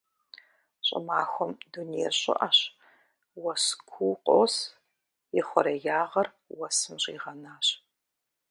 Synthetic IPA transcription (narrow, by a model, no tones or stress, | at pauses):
ɕʼɪ̰maːxʷɔmdunijɛ̰ɕʼɪ̰ʔɐɕ | wɐskʷʰuːqʼoːs | jɪχʷɔɾɐjaːʁɐr | wɐsɨmʑḭːʁɐnaːɕ